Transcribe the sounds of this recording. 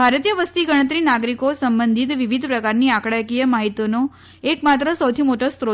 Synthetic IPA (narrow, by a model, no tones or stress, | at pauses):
bʱaɾət̪ijəʋəst̪iɡəɽ̃ət̪ɾinaɡɾikosəmbənd̪ʱit̪ʋiʋid̪ʱpɾəkaɾniakɽajkijəmaɦit̪ono | ekmat̪ɾəsəwt̪ʰimoʈost̪ɾo